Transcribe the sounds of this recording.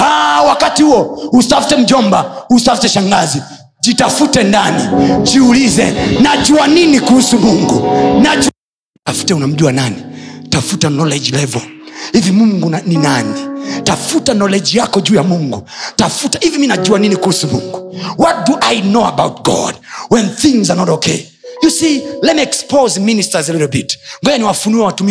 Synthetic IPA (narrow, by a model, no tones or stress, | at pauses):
awakatihuɔusafu̥tɛm̩d͡ʒɔmbausafitɛʃaŋɡazi | d͡ʒitafutɛndanid͡ʒiulizɛ̰naʄuaninikuhusumuŋɡunad͡ʒu | tafu̥tɛunam̩ʄuananitafutanɔlɛd͡ʒilɛvɔhivimuŋɡunaninanitafutanɔlɛd͡ʒjakɔd͡ʒuːjamuŋɡutafutahiviminaʄuaninikuhusumuŋɡuwɔt̚duʔajnoa̰bawt̚ɡɔ̰d̚wɛ̃nθĩŋzanɔtɔkʰeɪ | jusilɛtmiɛkspozministazaliɾl̩bitŋɡɛɲaniwafunuɛwatumi